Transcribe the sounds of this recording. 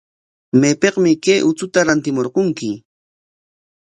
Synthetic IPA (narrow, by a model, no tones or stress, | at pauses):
mepeqmɪkejʔʊt͡sʊt̪aɾant̪ɪmoɾqoŋkɪ